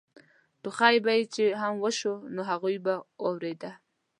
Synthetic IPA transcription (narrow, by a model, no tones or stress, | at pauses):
ɖ̥ʊχɑjbajit͡ʃeɦamwəʃonoɦaɣujbawawɾed̪a